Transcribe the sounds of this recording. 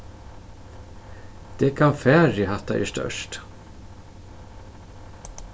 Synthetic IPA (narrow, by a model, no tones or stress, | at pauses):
d̪̥ɛkʰanfæːɾjəhat̪ːa̰ʔɛ̰ʂt̪œ̰ʂt